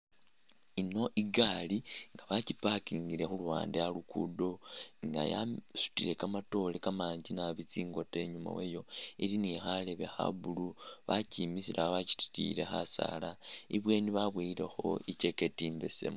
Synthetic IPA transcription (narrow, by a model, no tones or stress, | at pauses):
inoʔiɡaliŋɡaβacipakiːŋɡiɾe̞xuluwa̰ːndealukṵdo̞ŋɡa̰ja̰su̥tiɾe̞kamato̞lekamaːɲd͡ʒinaβit͡siːŋɡo̞te̞ɲuma̰wejo̞ilinixale̞βe̞xa̰βuluβacimisilʔaβaci̥ti̥tḭɾe̞xa̰sa̰laiβwe̞ːniβaβwiiɾe̞xo̞̰ice̞ke̞tiːmbe̞se̞̰mu